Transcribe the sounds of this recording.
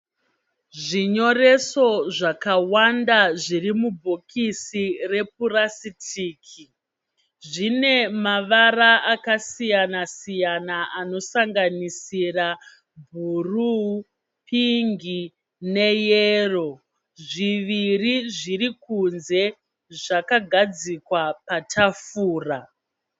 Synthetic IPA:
ʐiɲo̞re̞so̞ʐakawandaʐirimubʱokʰisire̞p̚urasitiːkʰi | ʐine̞maʋaraakasijanasijanaʔano̞saŋɡanisira | bʱuru | pʰiŋɡi | ne̞jero̞ | ʐiʋiriʐirikunze̞ | ʐakaɡʱad͡zikwapatʰafuːra

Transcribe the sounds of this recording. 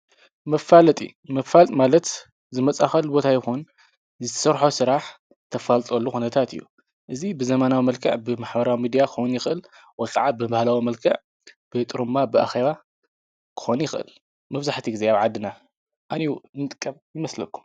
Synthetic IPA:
mɐfalɐt̪ʼḭmɐfalt̪ʼmalɐt̪ | zɨmɐt͡sʼaxɐlbo̞t̪ʰajɪxun | zɨt̪ʰɐ̥sɐɾħosɨɾaħ | t̪ʰɐfalt̪ʼolːuxunɐt̪ʰat̪ɨ̰jːṵ | ʔɨzibɨzɐmanawimɐlkʰɐ̰ʕbɨmaħbɐɾawimid̪ijakʰowunjɪxʔɨl | wɔjkʰʼaʕabɨbahlawimɐlkʰɐʕ | b̥ɨt̪ʼɨɾumːabɨa̰xe̞βa | kʰɨ̥xonjɪxʔɨ̰l | mɐβzaħt̪ʰiɡize̞aβʕad̪ːɨna | ʔaniunɨt̪ʼɨ̥kʼːɐmjɪmɐslɐkʰːu̥m

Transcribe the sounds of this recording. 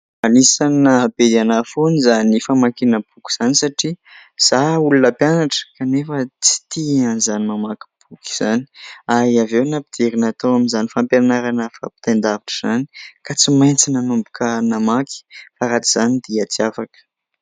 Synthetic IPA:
anisanəbed̪anafonizanifamakinəb̥uki̥z̥anisaʈ͡ʂiz̥aulunəpjanaʈ͡ʂə̥kanefət͡si̥t̪ianizanimamaki̥b̥uki̥z̥aniaiavewnapid̪̥eɾinat̪awaminzanifampjanaɾanəfa̰pi̥t̪and̪aviʈ͡ʂəz̥ani̥kat͡simajnt͡sinanumbukənamaki̥faɾat͡siz̥anid̪̥iat͡siafakə̥

